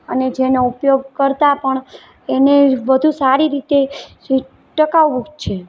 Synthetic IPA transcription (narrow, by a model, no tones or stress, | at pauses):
əned͡ʒenoupjoɡ̚kəɾt̪apəɳ | enebəd̪ʱũsaɾiɾit̪e | ʈəkaʋbuɡt͡ʃʰe